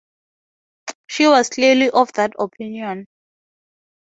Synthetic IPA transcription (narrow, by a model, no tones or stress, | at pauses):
ʃiwɔz̥kʰliliʔɔvðatɔpʰĩnjɔ̃n